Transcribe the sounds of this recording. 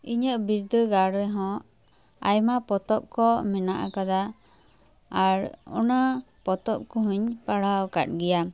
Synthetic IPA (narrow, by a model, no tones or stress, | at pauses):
iɲəʔbiɾd̪əɡaɽɾɛɦɔ̃ | a̰jmapɔt̪ɔp̚kɔmɛnaʔa̰kad̪a | ɾɔ̰na | pɔt̪ɔp̚kɔɦuɲpaɽ̤awkat̪̚ɡɛja